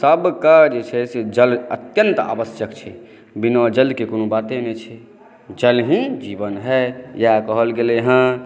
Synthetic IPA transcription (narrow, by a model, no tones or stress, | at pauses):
səbkad͡ʒet͡ʃʰɛsed͡ʒələ̰t̪jənt̪a̰bəsjəkt͡ʃʰɛ | binɔd͡ʒəlkekonobat̪enɛt͡ʃʰɛ | d͡ʒəlɦĩd͡ʒibənɦɛjakəɦəlɡeleɦə̃